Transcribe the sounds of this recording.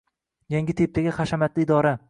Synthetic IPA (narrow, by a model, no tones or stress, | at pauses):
jaŋɡʲɪt̪ʰep̚t̪ʰaɡʲaχɑʃamat̪lɪɪd̪ɒɾa